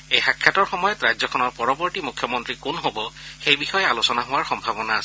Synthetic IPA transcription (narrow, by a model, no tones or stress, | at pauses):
ejxakʰjatɔɹxɔmɔjɔtɹajzɔkʰɔnɔɹpɔɹɔbɔɹtimukʰːjɔmɔntɹikunɦobɔxejbixɔjɛalosɔnaɦʊwaɹxɔmbʱabɔnaːsɛ